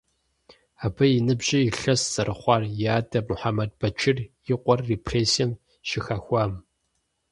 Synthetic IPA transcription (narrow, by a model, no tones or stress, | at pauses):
aːbɐjɪnɨbʑʼɪjɪɬɐsz̥ɐɾɨχʷɑːrjaːdɐmʊħamɐd̚bɐt͡ʃʰɪrjɪqʷʼɔrːepʰreːsiɛm | ʃɪxɐxʷɑːm